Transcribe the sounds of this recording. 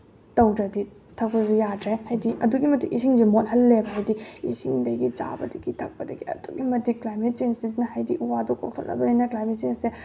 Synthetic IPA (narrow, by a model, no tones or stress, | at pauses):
tɐwdɾɐdi | tʰɐk̚pɐzujadɾehajdiʔɐduɡimɐtːiʔisʰiŋzimot̚hɐlːebɐɦajdiḭsiŋdɐɡit͡ʃa̰bɐ̰dɐɡitʰɐk̚pɐdɐɡiɐ̰d̥uɡimɐtiklajmet̚t͡ʃensis̬nɐhajdiʔuwadukok̚tʰolʔɐ̰bɐlɐjnɐklajmet̚t͡ʃensse